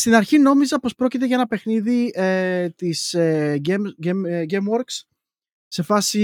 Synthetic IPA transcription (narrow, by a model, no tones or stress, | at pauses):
st̪inɐɾçino̞mizɐpo̞spɾo̞cit̪e̞ʝɐenɐpe̞xniðiet̪iseemɟemɡemwo̞ɾks | se̞fɐsi